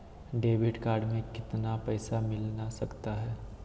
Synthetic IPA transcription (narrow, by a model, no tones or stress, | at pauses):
ɖeːʋɪʈkaːɾɖmẽkɪt̪napɛːsamɪlnasɐkt̪aɦɛː